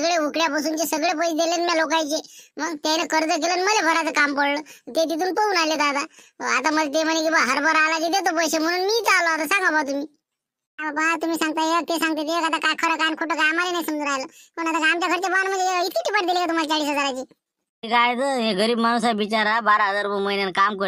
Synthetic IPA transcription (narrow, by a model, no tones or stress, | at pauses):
əɡɭeukɭjapəs̬uːnt͡ɕesəɡɭep̬əjd̪elenmjalokajt͡ɕeməɡt̪janekəɾd͡zək̬eləːnməlebʱəɾat͡səkampəɽləːt̪et̪̬it̪̬uːnpəuːnalet̪at̪aəat̪aməd̪ʱet̪̬emənek̬ibəɡɦəɾbʱəɾalaɡit̪et̪̬əpəjsem̤əɽ̃uːnmiːt͡saləat̪asãŋɡabat̪umiː | abbət̪umiːsãŋɡ̚t̪ajeək̚t̪esãŋɡt̪̬et̪eekat̪akajkʰəɾəkajnkʰoʈəkajmalenaisəmd͡zənaːjləkoñat̪akamt͡ɕakʰəɾt͡ɕebəanmənd͡ʒeeit̪ʰit̪ipaʈd̪ilekat̪umalt͡ʃaɽiːsɦəd͡zaɾat͡ɕi | kajt̪əeɡəɾiːbmanusabit͡ʃaɾabaɾaɦəzaɾupəməɦinjankamkə